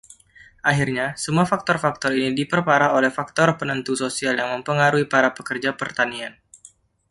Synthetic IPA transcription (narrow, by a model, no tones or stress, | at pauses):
ʔaɦirɲasəmuafak̚t̪ɔrfak̚t̪ɔrinidipərpaɾaolɛhfak̚t̪ɔrpənənt̪usosialjaŋməmpəŋaɾuipaɾapəkərd͡ʒapərt̪anian